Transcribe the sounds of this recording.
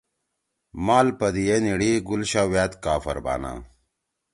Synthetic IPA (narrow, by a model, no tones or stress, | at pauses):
maːlpɐd̪ijeniɽiɡulɕawjaːt̪kaːfɐ̰ɾba̰ːna̰